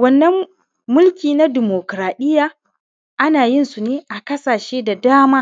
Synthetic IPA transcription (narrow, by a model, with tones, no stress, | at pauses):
wɐ˦nːɐ˦mː | ʊ˦lkʲiː˨na˦dɪ˨moː˨kɾaː˨ɗɪ˦jaː˦ | ʔa˦naː˨jɪ˦nsu˨neː˦ʔa˨kɐ˦saː˨ʃeː˦da˨daː˦maː˦